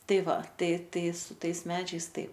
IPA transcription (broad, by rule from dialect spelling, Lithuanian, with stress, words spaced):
ˈtɐɪ ˈʋɐ ˈtɐɪ ˈtɐɪ sʊ ˈtɐɪs ˈmʲæːd͡ʒʲɛɪs ˈtɐɪp